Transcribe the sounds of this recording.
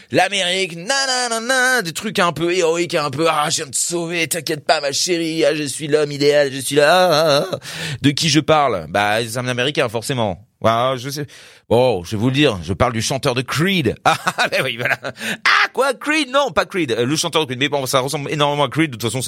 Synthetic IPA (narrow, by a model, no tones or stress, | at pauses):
lameʁiknɛ̃nɛ̃nɛ̃nɛ̃d̪et̪χykɛ̃pøeʁɔikɛ̃pøaʒəvjɛ̃d̪əsovet̪yɛ̃kʲjɛt̪̚pamaʃeʁiaʒəsɥilɔmid̪ealʒəsɥila | d̪əkʲiʒəpaʁlba̰sãmnɛameʁikʲɛ̃fɔʁsemɑ̰̃ | aʒəs̬ɛ | bɔ̃ʒvɛvuld̪iːʁʒəpaʁld̪yʃɑ̃t̪œʁd̪əkʁid̪abɛwivwalaakwakwid̪nɔ̃pakʁid̪ləʃɑ̃t̪œʁd̪əkid̪mɛbɔ̃saʁəsɑ̃blenɔʁmemɑ̃akχid̪̚ːot̪fasɔ̃s